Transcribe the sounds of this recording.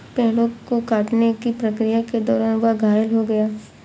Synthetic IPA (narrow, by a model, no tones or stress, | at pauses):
pɛɦlõkokaːʈnekipɾɐkɾijaked̪ɔːɾaːnʋaɡʱaːjəlɦoɡɐjaː